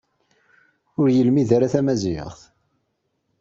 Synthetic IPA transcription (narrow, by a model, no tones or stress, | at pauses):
ʊɾjəlmiðaɾaθæmæziə̰ʁθ